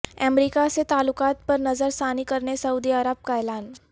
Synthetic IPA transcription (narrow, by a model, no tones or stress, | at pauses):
ɛːmɾiːkaset̪aːlʊkaːt̪̚pɐɾnɐzəɾsaːnikɐɾnesɐuːd̪iɐɾəb̚kaɛːlaːn